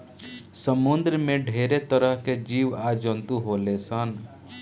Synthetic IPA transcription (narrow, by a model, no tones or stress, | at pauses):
səmund̪ɾmẽɖʱeɾet̪əɾəɦked͡ʒiʋad͡ʒɔnt̪uɦolesən